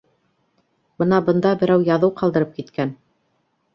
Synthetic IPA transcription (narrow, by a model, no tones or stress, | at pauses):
b̥ɤnɑbɤ̆nd̪ɑbɘ̆ɾæwjɑðɤwqɑlˠd̪ɤ̆ɾɤp̚kit̪kæn